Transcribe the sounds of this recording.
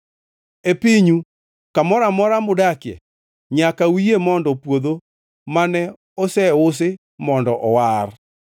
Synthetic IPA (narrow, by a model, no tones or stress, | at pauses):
epiɲu | kamɔɾamɔɾamʊdakɪɛ̰ | ɲakawiemɔndɔpwoðo | manɛ | ɔsɛʊs̬ɪ | mɔndɔʔɔwar